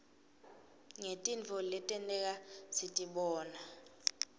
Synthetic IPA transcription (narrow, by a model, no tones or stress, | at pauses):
ŋetʼint͡fʰɔlɛtʼɛntʼɛk̬ʼasitʼiɓɔːna